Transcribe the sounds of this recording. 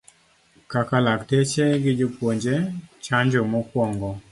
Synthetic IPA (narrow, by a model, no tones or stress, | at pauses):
kakalaktet͡ʃeɡɪd͡ʒopwoɲd͡ʒet͡ʃaɲd͡ʒomɔkwɔŋɡɔ